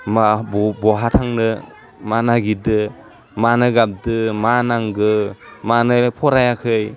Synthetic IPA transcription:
mabɔbɔɦatʰaŋnɯ | manaɡidɯ | manɯɡap̚dɯmanaŋɡɯmanɯpʰɔɾajakʰɯj

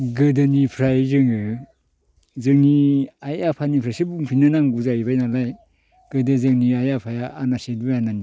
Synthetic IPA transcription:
ɡɯdɯnipʰɾajzɯŋɯ | zɯŋniajapʰanipʰɾajsɯbuŋpʰinanaŋɡuzaibajnalaj | ɡ̥ɯdɯzɯŋniajapʰajaːnasedbɯjanani

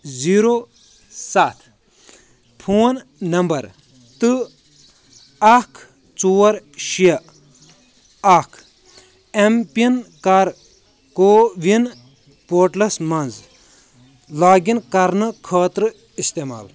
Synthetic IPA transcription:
ziɾo | sat̪ʰ | pʰuːnnɐmbɐɾ | t̪ɨ | akʰ | t͡suːɐɾʃiɐ | akʰ | empiɐnkɐɾ | koːʋin | poːʈlɐsmɐnz | laːɡinkɐɾnɨkʰɐːt̪ɾɨ | ist̪ema̰ːl

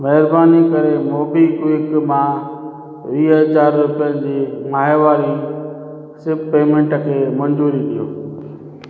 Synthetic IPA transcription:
mɛɦɪɾbaːnikəɾemoːbiːkʋɪkmãː | ʋiːɦət͡ɕaːɾːʊpjənɪd͡ʑiːmaːɦeʋaːɾi | sɪɾbpeːmẽɳʈəkʰeːmɐ̃nd͡ʑuːɾiɗ̪ijoː

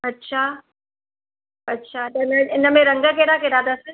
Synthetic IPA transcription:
ɐtːʃʰaː | ɐtːʃʰaːt̪ɐɪnəɪnəmẽɾɐ̃ŋɡəkeɽakeɾaːd̪asə

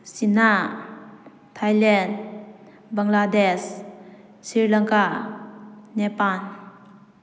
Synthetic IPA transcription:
sina | tʰajlɛnd | baŋladɛs | siɹlaŋka | nɛpan

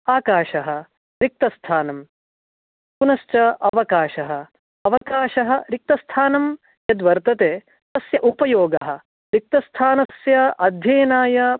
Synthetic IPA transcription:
aːkaːʃɐɦɐ | ɾik̚t̪ɐst̪ʰaːnɐm | punɐʃt͡ʃɐɐʋɐkaːʃɐɦɐ | ɐʋɐkaːʃɐɦɐ̆ɾik̚t̪ɐst̪ʰaːnɐm | jɐd̪ʋɐɾt̪ɐt̪eː | t̪ɐsjɐʔupɐjoːɡɐɦɐ̆ | ɾik̚t̪ɐst̪ʰaːnɐsjɐʔɐd̪ʱjɐːnaːjɐ

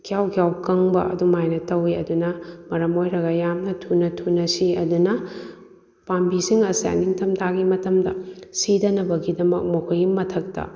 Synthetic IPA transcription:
kʰijawkʰjawkɐŋbɐ̰ʔɐ̰dumajnɐtɐwiɐdunɐmɐɾɐmojɾɐɡɐjamnɐtʰunɐtʰunɐsiɐdunɐ | pambisiŋɐsa̰niŋtʰɐmtʰaɡimɐtɐmdɐ̰sidɐnɐbɐɡidɐmɐk̚mɐkʰujimɐtʰɐk̚tɐ̰

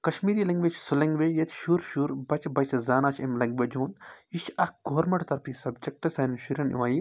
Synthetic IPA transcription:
kɐʃmiːɾiːlɐŋɡʋeːt͡ʃʰsulɐŋɡʋejɐt̪ʰʃuːɾʃuːɾbɐt͡ʃbɐt͡ʃʰzaːnaːt͡ʃʰemlɐŋɡʋed͡ʒõːnd̪it͡ʃʰɐk̚ɡoːɾmɐɳʈt̪ɐɾpʰisɐbd͡ʒek̚ʈɐsɐnʃuɾʲɐnʔṵaːji

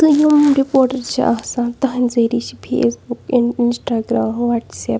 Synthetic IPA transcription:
t̪ɨjumɾipoːɾʈɐɾt͡ʃʰḭʔa̰ːsaːnt̪ɐɦãnzɐɾit͡ʃʰipʰḛːsbukiinsʈaːɡɾaːmʋaːʈseːp

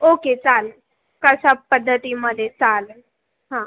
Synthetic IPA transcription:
oket͡sal | kəɕapəd̪ʱːət̪iməd̪ʱet͡sal | ɦã

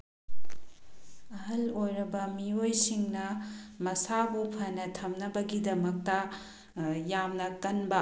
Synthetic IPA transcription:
ɐɦɐlojɾɐbɐmiojsiŋnɐmɐsabupʰɐnɐtʰɐmnɐbɐɡidɐmɐk̚tɐ | jamnɐkɐnbɐ

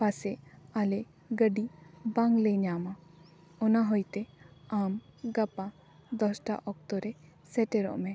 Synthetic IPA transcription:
pasɛaleʔ | ɡəɖibaŋɡləjnama | ɔnaɦɔjt̪eamɡapa | d̪ɔsʈa̰ʔɔk̚t̪ɔɾɛ | sɛʈeɾɔ̰ʔmɛ

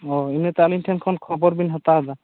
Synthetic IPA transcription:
ɔinɛt̪alimtʰɛnkʰɔnkʰɔbɔɾbinɦɔt̪aɦd̪a

